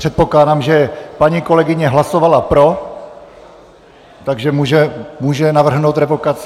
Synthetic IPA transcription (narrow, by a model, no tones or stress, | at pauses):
r̥ɛt̪̚po̞klaːdamʒɛpaɲiːko̞lɛɡɪɲɛɦlasovalapɾo̞ | t̪aɡʒɛmuːʒɛmuːʒɛnavr̩ɦnowt̪ɾɛvokat͡s